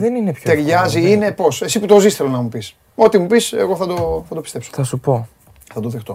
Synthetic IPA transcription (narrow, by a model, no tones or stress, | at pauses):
ðeninepçt̪eɾʝɐziine̞po̞se̞siput̪o̞zist̪elonɐmupis | o̞t̪imupise̞̰ɣo̞θɐd̪o̞θɐd̪o̞pist̪e̞psoθɐsupo̞ | θɐd̪oðext̪o̞